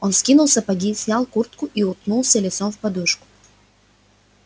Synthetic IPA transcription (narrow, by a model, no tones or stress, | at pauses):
ɔnskʲinʊlˠsʲɐpɐɡʲisʲnʲalˠkurt̪kʊʔiʊt̪nulˠsʲɐlʲɪt̪sɔmfpɐd̪uʂkʊ̥